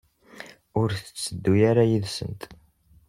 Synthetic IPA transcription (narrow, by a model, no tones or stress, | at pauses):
ʊɾθə̥t͡sːəd̪ːujaɾajiðsə̰nt̪